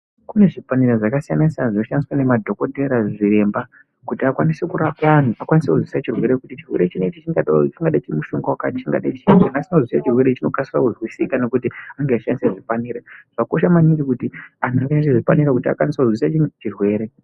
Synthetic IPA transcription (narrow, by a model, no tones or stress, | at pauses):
kune̞ʐipaniraʐakasijanasijanaʐinoʃaniswane̞madʱo̞ko̞te̞ɾaʐiɾe̞mba | kutiakwanise̞kuɾapaːn̤uakwanisekuzwisat͡ʃirwe̞ɾe̞kutit͡ʃirwe̞ɾe̞t͡ʃinet͡ʃit͡ʃiŋɡaɗat͡ʃiŋɡaɗat͡ʃimuʃuŋɡawakatit͡ʃiŋɡa̰ɗat͡ʃinanasinozwisat͡ʃirwe̞ɾet͡ʃino̞kasirakuʐwisikane̞kutiaŋɡeaʃandiseʐipaniːɾaʐ̥ako̞ʃamaniŋɡikutianuaŋɡeaniseʐipaniɾakutia̰kwanisekuzwisat͡ʃirwe̞ːɾe̞